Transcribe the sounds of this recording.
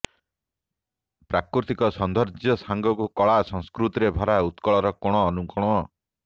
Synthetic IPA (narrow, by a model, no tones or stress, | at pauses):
pɾakɾut̪ikɔsɔnd̪ʱɔɾd͡ʒɔsaŋɡɔkukɔɭasɔŋskɾut̪iɾebʱɔɾaut̪kɔɭɔɾɔkɔɽ̃ɔːnukɔɽ̃ɔ